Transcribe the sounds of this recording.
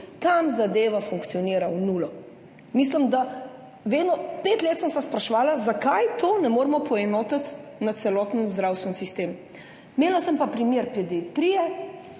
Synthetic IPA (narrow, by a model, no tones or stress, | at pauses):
t̪amzad̪eːʋafuŋkt̪sijɔniːɾawnulɔ | misləmd̪a | ʋeːd̪nɔpeːt̪leːt̪səmsaspɾaʃɛʋaːlazakajt̪ʰoːnɛmoːɾmɔpʰɔɛnɔːt̪at̪nat̪sɛlɔːt̪nənzd̪ɾawst̪ʋɛnsist̪eːm | meːlasəmpapɾimjeːɾpɛd̪it̪ɾijɛ